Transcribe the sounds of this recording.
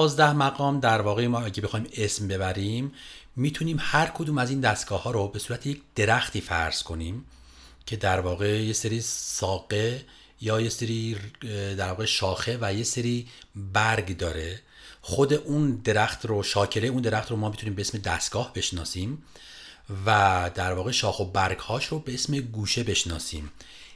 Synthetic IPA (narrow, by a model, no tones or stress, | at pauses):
zd̪æhmæɣɒːmd̪æɾvɒːɣemɒːæɟebe̞xɒːime̞smbe̞βæɾimːiːt̪ʰuniːmhæɾkʰod̪uːmæziːnd̪æst̪̚ɡ̥ɒːhɒːɾobe̞suːɾæt̪ʰejecʰd̪̥e̞ɾæxt̪ʰiːfæ̰ɾz̥kʰo̞niːm | cʰe̞d̪æɾvɒːɣe̞jeseɾiːsɒːɡe̞ | jɒːjeseɾi | d̪æɾvɒːɣeʃɒːxe̞væjeseɾiːbæɾɡd̪ɒːɾe̞ | xo̞d̪e̞ʔund̪e̞ɾæxt̪roʃɒːcʰe̞leund̪e̞ɾæxt̪ɾomɒːmit̪ʰuniːmbeesme̞d̪æst̪̚ɡ̥ɒːhbe̞ʃnɒːsiːm | væd̪æɾvɒːɣe̞ʃɒːxo̞bæɾɡhɒːʃɾobe̞esmeɡuːʃe̞be̞ʃnɒːsiːm